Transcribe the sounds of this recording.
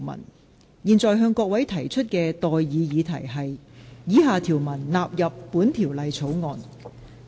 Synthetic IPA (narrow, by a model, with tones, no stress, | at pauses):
mɐ̰˨˩n | jiː˨˩nt͡sɔː˨˧jɦœː˧ŋkɔː˧k̚wɐ˨˥jt̪ʰɐ˨˩jt͡ʃʰɵ˥t̚kɛː˧t̪ɔː˨jːiː˨˧jiː˨˧t̪ʰɐ˨˩jɦɐ˨jjiː˨˧ɦaː˨˧t̪ʰiː˨˩wmɐ˨˩nlaː˨p̚jɐ˨pːuː˨˥nt̪ʰiː˨˩wlɐ˨jt͡sʰo˨˥wŋɔː˨n